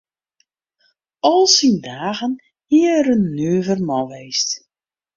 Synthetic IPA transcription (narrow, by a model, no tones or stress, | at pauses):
ɔlˠsindaːɣən | hiəɾənːyːvərmɔʋɛjst